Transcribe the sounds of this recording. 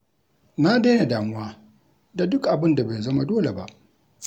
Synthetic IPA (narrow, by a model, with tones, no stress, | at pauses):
naː˦deː˦ja˨daː˨mʊ˦waː˦ | da˨dʊ˦kʔa˨bɪ˦nda˨ba˨zɐ˦ma˦doː˦le˨ba̰˦ʔ